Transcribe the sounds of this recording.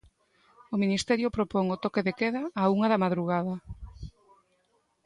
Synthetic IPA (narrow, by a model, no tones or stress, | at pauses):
ominist̪ɛɾjʊpɾopɔŋot̪ɔkeðekeðaːuŋaðɐmaðɾuɣað̞ɐ